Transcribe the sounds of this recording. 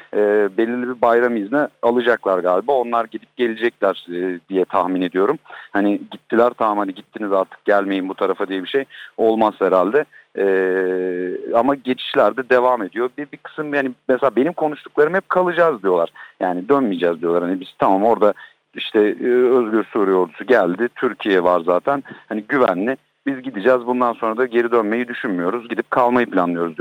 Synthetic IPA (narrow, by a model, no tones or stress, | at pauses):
ɛːbe̞lʲːiɾlʲibibajɾamiznɛalˠɯd͡ʒaklˠaɾɡaːlʲibao̞nlˠaɾɟid̪ʲip̚ɟ̥e̞lʲed͡ʒɛc̚lʲæɾd̪ijɛt̪ʰahmine̞d̪ijo̞ɾumhanɪɟit̪ʰːilʲæɾt̪ʰamamhaniɟit̪ʰːinizaɾt̪ʰɯ̥k̚ɟælʲme̞jimbut̪ʰaɾafad̪ijɛbiʃejo̞lˠmazhɛɾalʲd̪ɛɛː | amaɟe̞t͡ʃʰi̥ʃlʲæɾd̪ɛd̪e̞vame̞d̪ijo̞bibikʰɯ̥sɯmhanimɛselʲabe̞nimkʰo̞nuʃt̪ʰuklˠaɾɯmhɛp̚kʰalˠɯd͡ʒazd̪ijo̞lˠaɾ̥jaːnid̪ønmid͡ʒɛːzd̪ijoaɾhanibiz̥t̪ʰamaːmo̞ɾd̪a | iʃt̪ʰɛøzɟyɾsuɾijo̞ɾd̪u̥suɟælʲd̪ɪt̪ʰyɾcʰijɛvaɾzaːt̪ʰænhaniɟyvæ̰nlʲɪ | bizɟid̪id͡ʒɛːzbund̪anso̞nɾad̪aɟe̞ɾid̪ønme̞jid̪yʃynmyjo̞ɾuzɟid̪ip̚kʰalˠmajɯpʰlʲanlˠɯjo̞ɾuzd̪